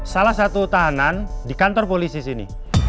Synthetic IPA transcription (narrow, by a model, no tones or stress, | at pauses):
salahsat̪ut̪aɦanandikant̪ɔrpolisisinḭ